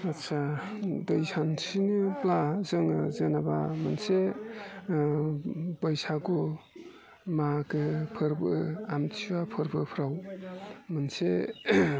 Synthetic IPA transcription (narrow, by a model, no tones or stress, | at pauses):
att͡ʃʰadɯjsansinɯplazɯŋazanaba̰manse | bəjsako | makɯpʰɯɾbɯamtʰiwapʰɯɾbɯpʰɾaw | mɯnse